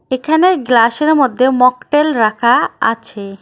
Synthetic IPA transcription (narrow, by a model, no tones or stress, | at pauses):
ekʰaneɡlaʃeɾmod̪ʱːemɔkʈelɾakʰaa̰t͡ɕʰe